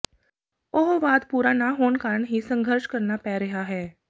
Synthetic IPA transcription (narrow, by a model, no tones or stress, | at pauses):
oɦʋaːd̪puːɾanaɦoːnkaːɾəɳɦisə̃ŋɡʱəɾʃkɐɾnapɛːɾɐɦaɦɛː